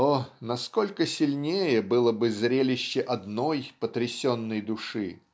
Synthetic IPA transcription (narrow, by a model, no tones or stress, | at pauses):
onɐsko̞lʲkəsʲɪlʲnʲejəbɨlˠəbɨzɾʲelʲɪɕːɪʔɐd̪nojpət̪ɾʲɪsʲonːəjd̪ʊʂɨ̰